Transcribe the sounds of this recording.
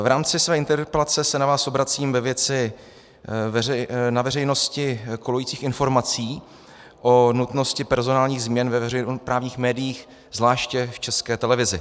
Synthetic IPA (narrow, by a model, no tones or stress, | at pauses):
vɾaːmt͡sɪsvɛːɪnt̪ɛɾpɛlat͡sɛsɛnavaːsʔobɾat͡siːmvɛvjɛt͡sɪ | navɛrɛjno̞scɪkolojiːt͡siːxɪnfo̞ɾmat͡siː | ʔo̞nut̪no̞scɪpɛɾzo̞naːlɲiːɣzmɲɛnvɛvɛɛpɾaːvɲiːxmɛːdɪjiːx | zlaːʃcɛft͡ʃɛskɛːt̪ɛlɛvɪzɪ